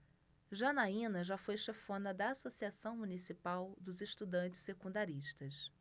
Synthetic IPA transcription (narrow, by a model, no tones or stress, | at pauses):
ʒɐnaĩnɐʒafojʃefõnɐd̪ɐːsosiasɐ̃w̃munisipawd̪ʊzeʃt̪ud̪ɐ̃nt͡ʃɪ̥ssekũnd̪aɾiʃt̪ɐs